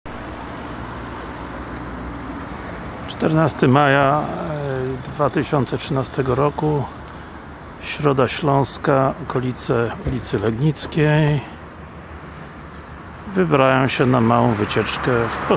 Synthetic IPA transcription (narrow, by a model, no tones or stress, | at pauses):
t͡ʂt̪ɛɾnast̪ɘmaja | d̪vat̪ɘɕɔnt̪sɛtʂɘnast̪ɛɡɔɾɔku | ɕɾɔd̪aɕlɔ̃w̃skaɔkɔlʲit̪sɛulʲit̪sɘlɛɡɲit̪skʲej | vɘbɾajɔ̃w̃ɕɛnamawɔ̃w̃vɘt͡ɕɛt͡ʂkɛfpɔ